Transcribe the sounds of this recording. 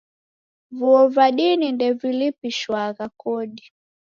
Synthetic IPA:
vuɔvaɗinindɛvilipiʃwaɣakɔɗi

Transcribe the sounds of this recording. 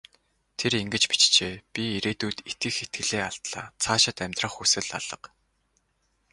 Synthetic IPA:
t̪ʰeɾiŋɡɘ̆t͡ɕpi̥t͡ɕt͡ɕeːpʲiiɾeːt̪uːt̪et̪̚ɡɘ̆xet̪̚ɡɘ̆ɮeːaɬt̪ɮa̰ːt͡sʰaːʃɪ̆t̪æmʲt̪rə̆χusɘ̆ɮa̰ɮ̥ə̆q

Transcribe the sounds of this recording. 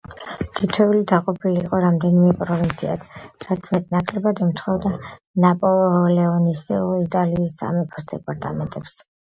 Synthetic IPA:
t̪ʰit̪ʰɛulid̪aqʼɔpʰiliːqʼɔɾamd̪ɛnimɛpʼɾɔvint̪sʰia̰d̪ʰɾat̪sʰmɛt̪ʼnakʼlɛbad̪ɛmt̪ʰχɔvd̪a | napʼɔlˠɔlɛɔnisɛ̰ɔit̪ʼaliːsːa̰mɛpʰɔsd̪ɛpʼaɾt̪ʼa̰mɛnt̪ʼɛps

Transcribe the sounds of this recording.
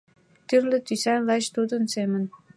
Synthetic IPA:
t̪yrlɘ̆t̪ysænlɑt͡ɕt̪ud̪ə̆nsemə̆n

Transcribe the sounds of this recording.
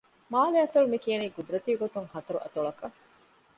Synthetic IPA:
maːleɐt̪ɐɭumikijɐniːɡud̪uɾɐt̪iːɡot̪uŋhɐt̪ɐɾuʔɐ̰t̪uɭɐkɐ

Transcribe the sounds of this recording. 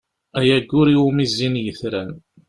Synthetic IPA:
æjæɡːʊɾiwumizːinjəθɾæn

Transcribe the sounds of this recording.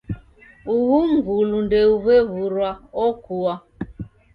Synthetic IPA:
uɦuŋ̩ɡulundeuβeβuɾwaɔkuwa

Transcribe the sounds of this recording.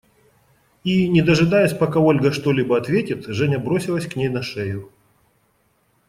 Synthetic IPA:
inʲɪd̪əʐɨd̪ajʊsʲpɐkao̞lʲɡɐʂt̪o̞lʲibɐɐt̪vʲetʲɪt̪ʐɛnʲɐbɾosʲɪlˠəsʲknʲejnɐʂɛjʊ

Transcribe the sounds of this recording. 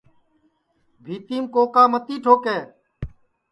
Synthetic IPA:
bʱiːt̪iːmkoːkaːmət̪iːʈʰoːkɛː

